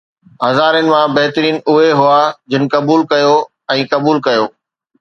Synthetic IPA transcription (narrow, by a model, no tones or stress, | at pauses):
ɦɐzaːɾjənɪ̆mãbɐɦt̪ɾiːnʊɦeɦʊaːd͡ʑɪnɪ̆kɐbuːlkɐjo | ɛ̃ːkɐbuːlkɐjoː